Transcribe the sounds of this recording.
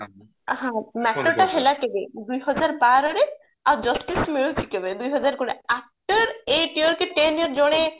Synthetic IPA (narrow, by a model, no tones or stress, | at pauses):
ɦãmɛʈːoʈaɦelakebed̪ujɦɔd͡ʒaɾbaɾɔɾe | ad͡ʒɔsʈismeɾut͡ʃʰikebed̪ujɦɔd͡ʑaɾkoneap̚ʈɔɾeʈioɾkeʈeniəɾd͡ʑoɽ̃e